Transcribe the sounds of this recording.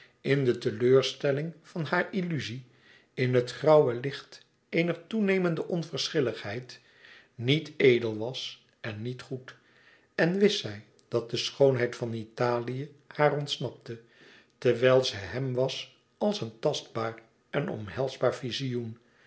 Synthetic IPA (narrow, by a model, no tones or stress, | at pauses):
ɪndətəløːɹstɛlɪŋv̥ɑnɦaːɹilyzi | ɪnɦətχrɑwəlɪχt | ejnəχtunejməndəʔɔnvərsχɪləχhɛjt | nitejdəlˠʋɑs | ʔɛnːitχut | ɛnʋɪsɛj | d̥ɑt̚dəsχownɦɛjtfɑnitaːlijə | haːrɔntsnɑp̚tə | tɛɹʋɛjlˠzəɦɛmʋɑs | ɑlˠsəntɑst̚baːr | ɛnɔ̰mɦɛlˠzbaːɹfizijun